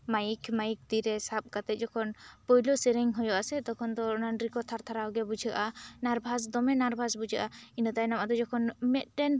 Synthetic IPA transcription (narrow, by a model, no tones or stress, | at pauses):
majkʰmajik̚d̪iɾɛsap̚kat̪ɛt̪̚ˀd͡ʒɔkʰɔnpɔjlɔsɛɾɛŋɦɔjɔʔasɛd̪ɔkʰɔnd̪ɔɔnanɾikɔt̪ʰaɾt̪ʰaɾaɡɛbud͡ʒʱəʔanaɾbʱas̬d̪ɔmɛnaɾbʱasbud͡ʒʱaʔainət̪ajnamad̪ɔd͡ʒɔkʰɔnmɛt̪̚ˀʈɛn